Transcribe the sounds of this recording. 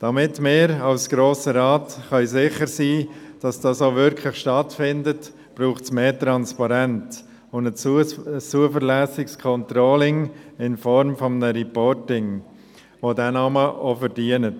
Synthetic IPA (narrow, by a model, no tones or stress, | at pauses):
d̥ɑmɪtmɪːɾɑlsɡ̥ɾoːsəɾɑːtχœjsɪχəɾsiːd̥ɑsd̥ɑːsovʏɾkʰlɪχʃtɑtfɪndət | b̥ɾuːχtsmeːtɾɑnspɑɾɛnt | ʊnə | t͡suəfəɾlæːsɪkskʰɔntɾoːlɪŋɪnfɔɾmfɔmənəɾipɔɾtɪŋ | ʋodɛnɑməʔofəɾd̥iːənət